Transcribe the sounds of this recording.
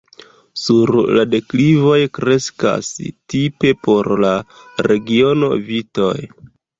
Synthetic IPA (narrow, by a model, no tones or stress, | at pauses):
suɾlade̞klivo̞jkɾe̞ska̰stipe̞po̞ɾla | ɾe̞ɡio̞no̞̰vito̞̰j